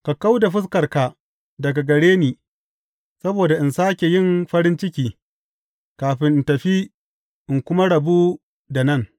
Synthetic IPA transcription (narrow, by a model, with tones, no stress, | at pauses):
ka˨ka˦wda˨ɸɪ˦s̬kɐ˨rka˨ | dɐ˨ɡa˨ɡɐ˨ɽeː˦niː˨ | sɐ˦boː˨da˨ʔɪ˨nsaː˦kʲe˨jɪ˦˨mɸɐ˦ɾɪ˦nt͡ʃɪ˦kʲiː˨ | kaː˨ɸɪ˦ntɐ˨ɸi˦ | ʔɪ˨ŋkʷʊ˦ma˦ɽɐ˨bu˦ | da˨nɐ˦˨ŋ